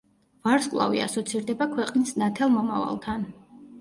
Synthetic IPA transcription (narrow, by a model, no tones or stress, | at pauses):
vaɾskʼlˠa̰vḭa̰sɔt̪sʰiɾd̪ɛbakʰwɛqʼnisnat̪ʰɛlˠmɔma̰va̰lˠt̪ʰan